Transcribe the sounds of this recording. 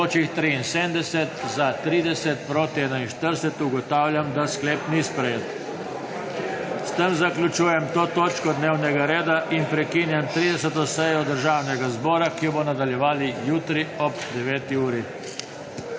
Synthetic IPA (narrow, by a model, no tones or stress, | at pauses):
oːt͡ʃixt̪ɾiːnseːmd̪ɛsɛt̪zat̪ɾiːd̪ɛsɛt̪pɾoːt̪iɛːnainʃt̪əɾsɛt̪uɡɔt̪aːwljamd̪askleːpnispɾɛjet̪ | st̪əmzaklʲjut͡ʃuːjɛmt̪oːt̪oːt͡ʃkɔd̪neːwnɛɡaɾeːd̪aʔinpɾɛkiːnjamt̪ɾiːd̪ɛsɛt̪ɔsɛjɔd̪əɾʒaːwnɛɡazbɔːɾakijɔbɔnad̪aljɛʋaːlijuːt̪ɾiɔbd̪ɛʋeːt̪iuːɾi